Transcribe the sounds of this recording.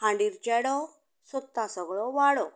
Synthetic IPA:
ɦãɳɖiɾt͡ɕɛɽɔ | sɔt̪ːãsəɡɭɔʋaɽɔ

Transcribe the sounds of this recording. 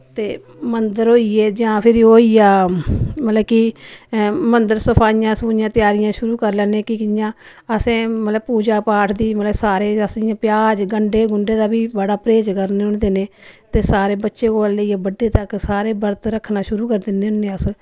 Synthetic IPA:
t̪eː | mənd̪əɾɦoːiːeːd͡ʒãːpʰɪɾioːiːaːmət̪ləbki | mənd̪əɾsəpʰaːijãːsuːɪjãːt̪ɪjaːɾɪjãːʃʊɾuːkəɾlɛːnẽːkɪkɪjãːəsẽːmət̪ləpuːd͡ʒaːpaːʈʰd̪iːmələsaːɾeːəsɪjãːpjaːd͡ʒɡəɳɖeːɡʊɳɖeːd̪aːbiːbəɽaːpɾeːt͡ʃkəɾneːʊɳd̪eːneːt̪eːsaːɾeːbətːʃeːkoːlləiːeːbəɖːeːt̪əksaːɾeːbəɾt̪ɾəkʰːnaːʃʊɾuːkəɾd̪ɪneːʊnːeːəs

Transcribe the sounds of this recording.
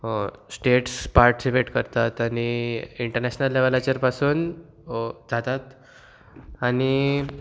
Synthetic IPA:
sʈeʈspaɾʈseʋeʈkəɾt̪at̪añiiɳʈəɾnæɕnəlːeʋalat͡ɕəɾpasuːn | d͡zʱat̪at̪ | aɽ̃i

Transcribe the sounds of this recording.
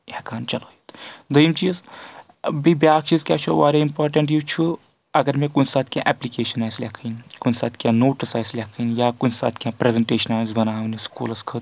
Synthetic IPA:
ekaːnt͡ʃɐloit̪d̪əimt͡ʃiːz | bibʲjaːk̚t͡ʃiːzkʲjaːt͡ʃʰuʋa̰ːɾʲaimpaːɾʈɐɳʈjut͡ʃʰu | ɐɡɐɾmẽkunsaːt̪ʰkʲã̰ʔɛplikeːʃɐnaːjslʲekʰənkunsa̰ːt̪ʰkʲjãːnoːʈisaːjslʲekʰənjaːkunsa̰ːt̪ʰkʲjãːpɾezeɳʈeːʃɐnaːzbɐnaːʋniskṵːlɐskʰət̪

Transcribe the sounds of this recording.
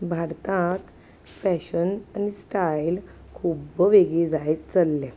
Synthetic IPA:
bʱaɾt̪ãt̪ | fæɕənanisʈajl | kʰubʋeɡid͡zajt̪t͡səlːẽ

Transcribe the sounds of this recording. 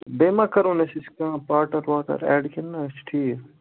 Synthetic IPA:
beːmãːkɐɾõnesɪskãːpaːʈɐɾʋaːʈɐ̰ɾɛ̰ːɖkinːat͡ʃʰʈʰiː

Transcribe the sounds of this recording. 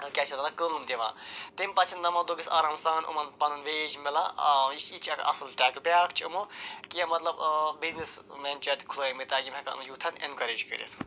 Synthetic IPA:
kʲat͡ʃʰɐt̪ɐlɐkənumt̪eʋã̰ːt̪emʲpɐt͡ʃʰind̪ɐmɐd̪oɡisa̰ːɾaːmsaːnṵmɐnpɐnɐnʋeːd͡ʒmelait͡ʃʰit͡ʃʰɐkʔɐ̰slʈɛːklbʲaːkʰt͡ʃʰɐmokijɐmɐt̪lɐbbiznismenʲt͡ʃɐt̪kʰuloːmit̪aɡʲimɐkɐ̰mjut̪ʰɐnḛnkɐɾeːd͡ʒkə̰ɾḭt̪ʰ

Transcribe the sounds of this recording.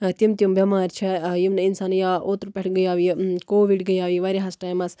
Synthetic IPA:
t̪imt̪jumbɐmaːɾt͡ʃʰejimnɐinsaːnjaːʔoːt̪ɾpʲeʈʰɡɐjaːʋikoːʋiʈɡɐjaːʋiʋaːɾiɦɐsʈaːjmɐs

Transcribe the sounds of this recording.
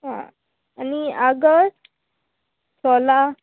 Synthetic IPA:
ɦã̰ | aniaɡəɾ | sʰɔla

